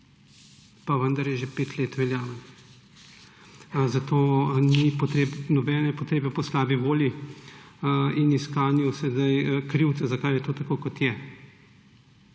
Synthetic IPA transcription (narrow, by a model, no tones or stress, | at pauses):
paʋənd̪aɾjɛʒɛpeːt̪leːt̪ʋɛljaːʋa | zat̪oːnipɔt̪ɾeːbnɔbɛːnɛpɔt̪ɾeːbɛpɔslaːbiʋoːlji | iniskaːnjusɛd̪ajkɾiwt̪sɛzakaːjɛt̪oːt̪akoːkɔt̪jɛ